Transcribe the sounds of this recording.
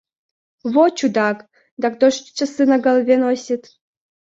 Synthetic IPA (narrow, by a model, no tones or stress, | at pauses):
βot͡ɕud̪ɑk | d̪ɑkd̪oʃt͡ɕəsɨnaɡɐlˠvʲenosʲit̪